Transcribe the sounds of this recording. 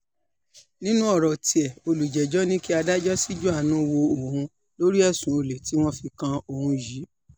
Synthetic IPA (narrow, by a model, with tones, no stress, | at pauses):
nĩ˦nũ˦ɔ˦˨ɾɔ˨ti˧ɛ˨o˧lu˨d͡ʒɛ˨d͡ʒɔ˦nĩ˦ki˦a˧da˦d͡ʒɔ˦si˦d͡ʒu˦a˦˨nũ˨˦˧wo˧o˨hũ˧ | lo˦ɾi˦ɛ˦˨sũ˨˦o˨˧le˨ti˨˦w̃ɔ̃˦fi˧kã˧o˧˨hũ˧ji˨˦